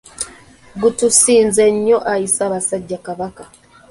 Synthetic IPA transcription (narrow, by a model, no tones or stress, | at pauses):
ɡutusiːnze̞ɲːo̞ʔajisaːβasaɟːakaβaka